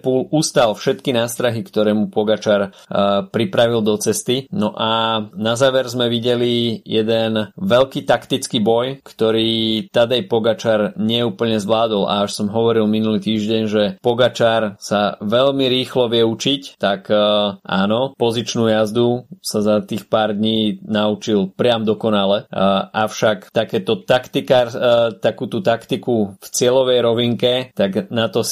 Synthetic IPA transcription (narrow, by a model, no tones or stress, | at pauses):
pulust̪alfʃɛt̪kinaːst̪ɾaɦikt̪ɔɾɛːmupɔɡat͡ʃaːɾ | pɾipɾaʋild̪ɔt͡sɛst̪inɔʔanazaːʋɛɾzmɛʋiɟɛlijɛd̪ɛnʋɛʎkiːt̪akt̪it͡skiːbɔjkt̪ɔɾiːt̪ad̪ajpɔɡat͡ʃaːɾɲɪɛuːpl̩ɲɛzʋlaːd̪ɔlʔa̰aʃsɔmɦɔʋɔɾilminuliːt̪iːʒɟɛɲʒɛpɔɡat͡ʃaːɾsaʋɛʎmiɾiːxlɔʋɪɛut͡ʃict̪akʔa̰ːnɔpɔzit͡ʃnuːjazd̪usazat̪iːxpaːɾd̪ɲiːnaut͡ʃilpɾɪamd̪ɔkɔnalɛʔaʊʃakt̪akɛːt̪ɔt̪akt̪ikaɾt̪akuːt̪ut̪akt̪ikuft͡sɪɛlɔʋɛjɾɔʋiŋkɛt̪aɡnat̪ɔ